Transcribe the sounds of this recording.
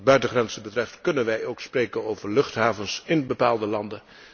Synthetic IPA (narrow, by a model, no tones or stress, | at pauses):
bœɥtəχrɛnzəbətrɛftkɵnənʋɛjowksprejkənowvəɹlɵχtɦaːvənsɪnbəpaːlˠdəlɑndə